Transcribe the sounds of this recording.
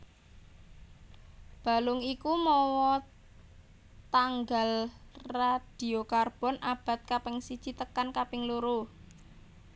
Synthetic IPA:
b̥a̤lʊŋikumɔwɔ | t̪aŋɡalrad̪̥i̤okarb̥ɔ̤nʔab̥a̤t̪̚kapɪŋsid̥t͡ʃi̤t̪əkankapɪŋluɾuh

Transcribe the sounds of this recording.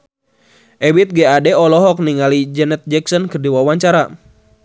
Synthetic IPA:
ʔɛbit̪̚ɡɛadɛɔlɔɦɔk̚niŋalid͡ʒɛnɛt̪̚d͡ʒɛksɔnkɨrdiwawaɲt͡ʃaɾa

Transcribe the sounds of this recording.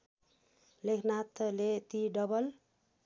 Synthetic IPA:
lekʰnat̪let̪iɖʌbʌl

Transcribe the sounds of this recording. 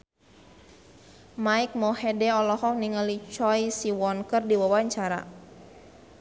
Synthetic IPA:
maik̚mɔhɛdɛɔlɔhɔk̚niŋəlit͡ʃɔjsiwɔnkərdiwawaɲt͡ʃaɾa̰

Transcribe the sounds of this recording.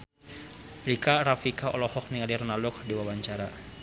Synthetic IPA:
ɾikaɾafikaɔlɔhɔk̚nialirnalʊk̚diwawaɲt͡ʃaɾa

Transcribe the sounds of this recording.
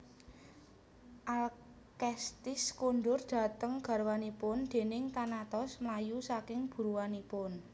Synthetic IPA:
ʔal | kɛst̪ɪskonɖʊrɖ̪̥a̤t̪əŋɡ̥a̤rwanipʊnd̪̥e̤nɪŋt̪anat̪ɔsmlajusakɪŋb̥ṳɾuwanipʊn

